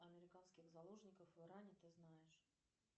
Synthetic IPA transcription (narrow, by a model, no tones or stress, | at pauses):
ɐmʲɪɾʲɪkanskʲɪɣzɐlˠoʐnʲɪkəfɨɾanʲɪt̪ɨznajɪʂ